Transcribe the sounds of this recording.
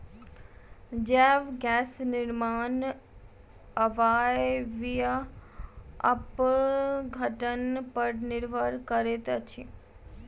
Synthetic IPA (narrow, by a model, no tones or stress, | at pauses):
d͡ʒɛːʋɡɛːsnɪɾmaːn | əʋaːjʋijə | ɐ̰p | ɡʱəʈənpəɾnɪɾʋʱəɾkəɾet̪t͡ʃʰi